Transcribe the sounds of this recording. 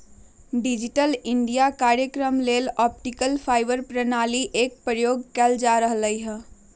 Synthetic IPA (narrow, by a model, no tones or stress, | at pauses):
ɖid͡ʒiʈəliɳɖijakaɾjəkɾəmlelɔp̚ʈikəlpʰaɪbəɾpɾənaliʔek̚pɾəjoɡkɛld͡ʒaɾəɦləjɦə̃